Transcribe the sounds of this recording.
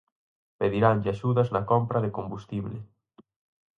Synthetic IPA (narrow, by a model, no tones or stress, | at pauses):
peðiɾanʎɪaʃuðɐznɐkɔmpɾɐðɪkombust̪iβlɪ